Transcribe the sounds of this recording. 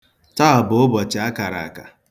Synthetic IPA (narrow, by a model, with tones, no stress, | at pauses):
ta˦a˨bʊ˨˦ʊ˦bɔ˨t͡ʃɪ˨˦a˦ka˨ɾa̰˨a̰˨ka˨